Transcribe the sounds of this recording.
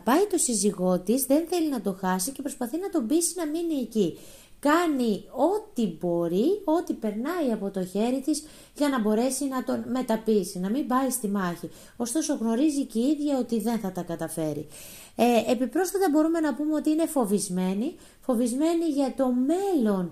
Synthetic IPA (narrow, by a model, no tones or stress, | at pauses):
pɐit̪o̞siziɣo̞t̪izðe̞nθe̞linɐt̪o̞xɐsice̞pɾo̞spɐθinɐt̪o̞bisinɐminie̞ci | kɐnio̞t̪ibo̞ɾio̞t̪ipe̞ɾnɐiɐpo̞t̪o̞çe̞ɾit̪iz | ʝɐnɐbo̞ɾe̞sinɐt̪o̞nme̞t̪ɐpisinɐmibɐist̪imɐçi | o̞st̪oso̞ɣno̞ɾiziceiðʝɐo̞t̪iðe̞nθɐt̪ɐkɐt̪ɐfe̞ɾḭ | epipɾo̞sfɐt̪ɐbo̞ɾume̞nɐpumeo̞t̪iine̞fo̞vizme̞ni | fo̞vizme̞niʝɐt̪o̞me̞lo̞n